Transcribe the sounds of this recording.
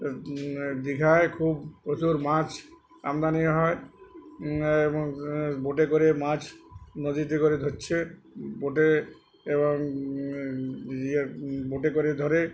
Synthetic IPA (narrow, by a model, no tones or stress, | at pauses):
d̪ikʰaekʰubpɾot͡ɕuɾmãt͡ɕʰ | a̰md̪anijaɦɔe | eboŋboʈekoɾemãt͡ɕʰnod͡ʑit̪ekoɾed̪ʱoɾːt͡ɕʰe | boʈe | eβoŋ | ieboʈekoɾed̪ʱɔɾe